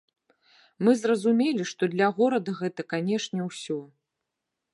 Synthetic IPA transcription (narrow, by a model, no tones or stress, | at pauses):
mɨzrɐzumʲelʲiʂt̪ɔd̪lʲɐɣɔɾɐd̪ɐɣɛt̪ɐkanʲɛʂnʲɛwsʲɔ